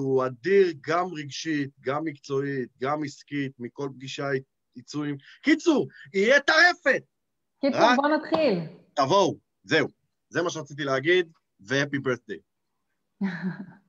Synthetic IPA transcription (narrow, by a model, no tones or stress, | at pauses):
uad̪iʁɡamʁeɡʃit̪̚ɡamːikt͡so̞it̪̚ɡamiskit̪̚miko̞lp̚ɡiʃa | it͡suimkit͡suʁijɛt̪aʁe̞fe̞t̪̚ | kit͡subonat̪χilt̪avo̞w | ze̞u | zemaʃ̬eat͡sit̪̬ileaɡid̪ | veepibeθd̪ej